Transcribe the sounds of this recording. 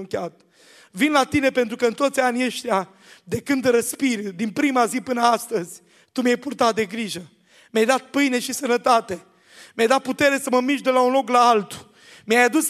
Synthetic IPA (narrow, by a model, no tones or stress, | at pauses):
kʲeat̪ | vinlat̪ine̞pe̞nt̪ɾukəɨnt̪ot̪sʲanieʃt̪ja | d̪e̞kɨnd̪ɾəspird̪inpɾimazipɨnəast̪əzʲ | t̪umjajpurt̪at̪̚d̪e̞ɡɾiʒə | mʲjajd̪at̪̚pɨjne̞ʃisənət̪at̪e̞ | mjajd̪at̪̚put̪e̞ɾe̞səməmiʃd̪e̞launlo̞klaalt̪u̥ | miajad̪us